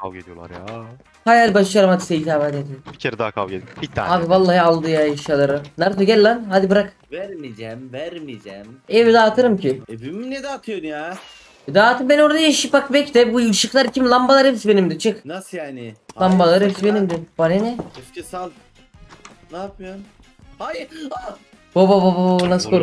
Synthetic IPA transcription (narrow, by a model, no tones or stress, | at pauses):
kʰa̰lɡed̪ijo̰lˠa̰ɾja̰ | hajalʲibaʃjaɾɯmhad̪isejit̪ʰaːvad̪d̪ib̥icʰeɾɛd̪akʰa̰lˠɟed̪ibit̪ʰːaaːbivalˠːaːhalˠd̪ɯjajaʃalˠaɾɯnaɾt̪oɟɛlʲːanɦad̪ibɯɾak | væɾmid͡ʒɛmvæɾmid͡ʒɛmɛvd̪aːt̪ʰɯɾɯmcʰiebiminɛd̪ɛat̪ʰɯjonja | d̪aːt̪ʰɯmbenoɾd̪ajiʃipakbɛcd̪ɛbujɯʃɯklˠaɾcʰimlˠambalˠaɾepsbenimd̪ɪt͡ʃʰɯknasɯjaːnɪambalˠaɾebsbenimd̪ɪbaɾenɛɛscisalʲ | naːpʰɯjom | haj | bobabababnaskʰoɾ